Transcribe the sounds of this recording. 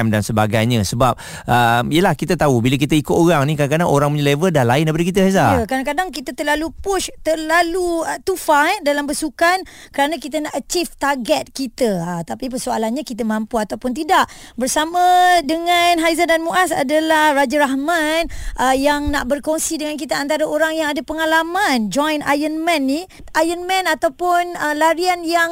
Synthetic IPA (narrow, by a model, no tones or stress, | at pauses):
ɛmdansəbaɡajɲə̃səbap̚ | ʔəmijəlahkit̪at̪aubilak̬it̪əikʊt̪oɾaŋnĩkadaŋkadaŋoɾaŋməɲəlevədahlaɪndapadikit̪̬əɦajzajəkɾadãkadaŋk̬it̪ət̪ərlalupʊʃt̪ərlaluət̪ufaj̚dalambəsukan | kəɾanakit̪ənaʔat͡ʃift̪aɡɛt̪̚kit̪əət̪apipərsualanɲakit̪əmãmpuat̪awpʊnt̪̬idaʔ | bərsamãdəŋãnɦajzandanmuʔasa̰dalahrad͡ʒaɾaɦmanʔəjaŋnaʔbərkoŋsidəŋank̬it̪əant̪aɾaoɾaŋjaŋadapəŋalamãnd͡ʒɔjna̰jənmɛ̃nːi | ʔajənmɛ̃nat̪awpʊnəlaɾianjaŋ